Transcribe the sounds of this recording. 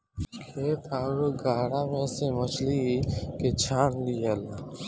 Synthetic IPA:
kʰeːt̪ʰaːɾoɡʱaːɽaːmẽsemət͡ʃʰliket͡ʃʰaːnliəlaː

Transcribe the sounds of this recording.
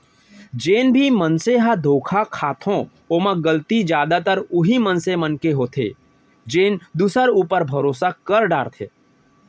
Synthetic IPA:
d͡ʒeːnbʱimənseɦad̪ʱoːkʰakʰaːt̪ʰõ | oːmãɡəlt̪id͡ʒjaːd̪at̪əɾʊɦimə̃nsemənkeɦoːt̪ʰḛ | d͡ʒeːnd̪uːsəɾuːpəɾbʱəɾoːsakəɾɖa̰ːɾt̪ʰḛː

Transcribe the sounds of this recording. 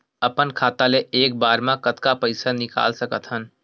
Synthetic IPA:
əpənkʰaːt̪aleeːk̚baːɾmãkət̪kapəɪsanɪka̰ːlsəkət̪ɦən

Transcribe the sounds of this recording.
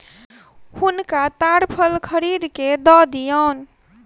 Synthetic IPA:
hunkat̪aɾpʰəlkʰəɾid̪ked̪ɔd̪ijən

